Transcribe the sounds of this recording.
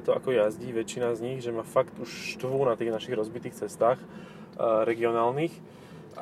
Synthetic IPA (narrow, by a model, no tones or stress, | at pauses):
ɛt̪ɔʔa̰kɔjazɟiʋɛt͡ʃːinazɲiɣʒɛmaːfakt̪uʃʃt̪ʋunat̪iːɣnaʃiːɣɾɔzbit̪iːxt͡sɛst̪aːx | ɾɛɡiɔnaːlnix